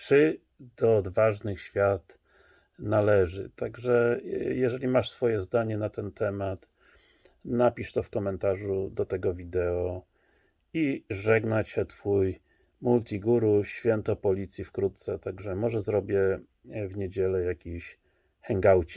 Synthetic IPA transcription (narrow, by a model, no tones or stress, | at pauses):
t͡ʂɘ | d̪ɔːd̪vaʐnɘxɕfʲjat̪ | nalɛʐɘ̰t̪aɡʐɛjɛʐɛlʲimaʂsfɔjɛzd̪aɲɛnat̪ɛnt̪ʰɛmat̪ | napʲiʂt̪ɔfkɔmɛnt̪aʐud̪ɔt̪ɛɡɔvʲid̪ɛɔ | iʐɛɡnat͡ɕɛt̪fuj | mult̪ʰʲiɡuɾuɕfʲjɛnt̪ɔpɔlʲit̪sʲjifkɾut̪t̪sɛt̪aɡʐɛmɔʐɛzɾɔbʲjɛ | vɲed͡ʑɛlɛjakʲiɕ | xɛŋɡawt͡ɕi̥